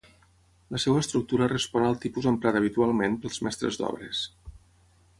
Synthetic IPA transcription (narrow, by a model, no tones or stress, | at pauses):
ləsɛwəːst̪ɾuk̚t̪uɾərəspɔnəlˠt̪ipuzəmpɾat̪əβit̪ualˠmenpəlˠzmɛst̪ɾə̰zd̪ɔ̰βɾəs